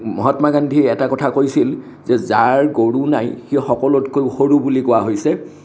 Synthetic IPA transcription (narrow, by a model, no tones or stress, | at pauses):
mɔɦɔtmaɡandʱiɛɛtakɔtʰakojsil | zɛzaɹɡoɹunajxixɔkɔlɔtkojxoɹubulikɔaɦojsɛ